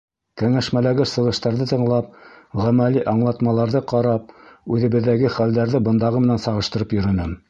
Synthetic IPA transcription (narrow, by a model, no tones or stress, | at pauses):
kæŋæʃmælæɡɘsɤ̆ʁɤ̆ʃt̪ɑɾðɤt̪ɤ̆ɴlˠɑp̚ʁæmæliʔɑɴlˠɑt̪mɑlˠɑɾðɤqɑɾɑp̚ʉðɘ̆βɘ̆ðːæɡɘχæld̪æɾðɘbɤ̆nd̪ɑʁɤmɘ̆nænsɑʁɤ̆ʃt̪ɤ̆ɾɤpjɵ̆ɾɵ̆nɘ